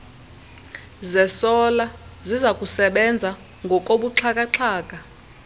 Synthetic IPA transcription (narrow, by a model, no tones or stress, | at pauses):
zɛsɔlazizakʼusɛɓɛnd͡zʱa | ŋɡʱɔkʼoɓuǁʰakʼaǁʰaːk̬ʼa